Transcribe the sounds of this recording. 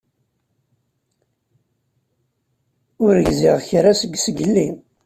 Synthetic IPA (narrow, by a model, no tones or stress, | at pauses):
ʊɾəʝziʁçɾasəɡsəɡəlːim